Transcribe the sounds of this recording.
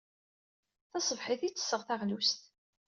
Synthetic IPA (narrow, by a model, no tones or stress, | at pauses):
θɑsˤəvħiθit͡sːə̥sːəʁθæʁlust̪